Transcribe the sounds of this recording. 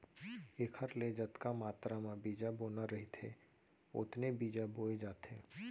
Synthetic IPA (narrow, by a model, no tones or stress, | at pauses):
ɪkʰəɾled͡ʒət̪kamaːt̪ɾamãbiːd͡ʒaboːnaɾɐɦit̪ʰe | ʊ̰t̪nebiːd͡ʒaboːed͡ʒaːt̪eː